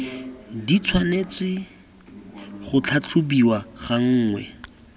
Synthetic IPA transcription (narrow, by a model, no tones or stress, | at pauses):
dit͡sʰwanet͡swɪ | χʊt͡ɬʰat͡ɬʰʊbiwaχaŋ̩ːŋwɛ̰